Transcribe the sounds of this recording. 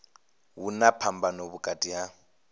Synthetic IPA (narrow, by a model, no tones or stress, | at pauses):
wunapʰambanɔβukʼatʼija